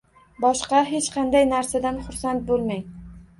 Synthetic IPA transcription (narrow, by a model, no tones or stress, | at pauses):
bɒʃqɑɦet͡ʃqʰɑnd̪ajnaɾsad̪anχʊɾsant̪̚bolˠmaŋ